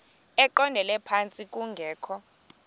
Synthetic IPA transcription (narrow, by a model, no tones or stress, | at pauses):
ɛǃɔndʱɛlɛpʰant͡sʼik̬ʼuŋɡʱɛːkʰɔ